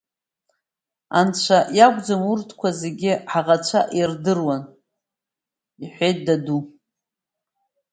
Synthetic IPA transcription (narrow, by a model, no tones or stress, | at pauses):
ant͡ɕʷʰajaɡʷd͡zamurtʰkʷʰazeɡʲɪħaʁat͡ɕʷʰaʔirdɨrwan | iħʷejt̚ʰʼdadu